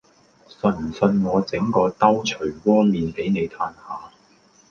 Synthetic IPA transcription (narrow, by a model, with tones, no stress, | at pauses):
sɵ˧nm̩˨˩sɵ˧nŋɔː˨˧t͡sɪ˨˥ŋkɔː˧t̪ɐ˥wt͡ʃʰɵ˨˩ɥkɔː˥miː˨npe˨˥jne˨˧jt̪ʰaː˧nhaː˨˧